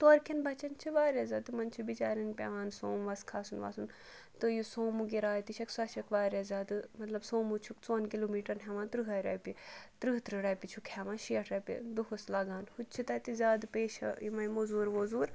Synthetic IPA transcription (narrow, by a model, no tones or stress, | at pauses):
t̪oɐɾkʰinbɐt͡ʃɐnt͡ʃʰiʋaːɾʲjɐzʲɐd̪ɨmɐnt͡ʃʰubit͡ʃaːɾɐnpʲḛʋaːnsoːmʋɐskʰaːsunʋa̰ːsun | t̪ɨjusoːmuɡiɾaːjt̪iʃʰɐksɐʃɐkʋaːɾʲɐzʲaːd̪ɨmɐt̪lɐbsoːmut͡ʃʰukt͡soːnkiloːmiːʈɐɾnɦʲeʋãːnt̪ɾɨɦɐɾɐ̰ːpit̪ɾɨɦt̪ɾɨɾɐːpit͡ʃʰukheʋãːʃiɐʈʰɾɐpʲḭd̪uɦoslaːɡaːnhut͡ʃʰit̪ɐt̪izʲaːd̪peːʃɐ̰imɐmozuːɾʋoːzuːɾ